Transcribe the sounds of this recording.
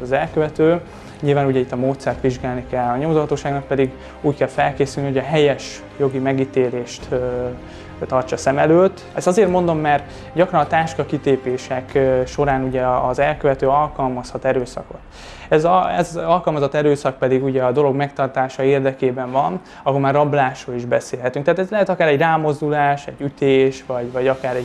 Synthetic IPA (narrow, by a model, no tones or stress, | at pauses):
ɒzɛlkøvɛt̪øː | ɲilvaːnuɟɛit̪ːɒmoːt̪sɛrt̪ʋiʒɡaːlnikɛlːɒɲo̞mozoɦɒt̪oːʃaːɡnɒk̚pɛd̪iɡ | uːckɛlfɛlkeːsylniɦoɟɒɦɛjɛʃ | jo̞ɡimɛɡiːt̪eːleːʃt̪ | t̪ɒrt͡ʃɒsɛmɛløːt̪ː | ɛst̪ɒzeːrmo̞nd̪o̞mːɛr | ɟɒkrɒnɒt̪aːʃkɒkit̪eːpeːʃɛkʃo̞ɾaːnuɟɛɒzɛlkøvɛt̪øːɒlkɒlmɒshɒt̪ɛɾøːsɒ̰ko̞t̪ | ɛzɛzɒlkɒlmɒzɒt̪ɛɾøːsɒk̚pɛd̪iɡuɟɛɒd̪o̞lo̞ɡmɛk̚t̪ɒrt̪aːʃɒeːrd̪ɛkeːbɛɱvɒn | ɒɦolmaːrɒblaːʃroːliʒbɛseːlɦɛt̪yŋkt̪ɛaːt̪ɛzlɛɦɛt̪ɒkaːɾɛɟraːmo̞zd̪ulaːʃɛɟːyt̪eːʃvɒɟvɒɟɒkaːɾɛ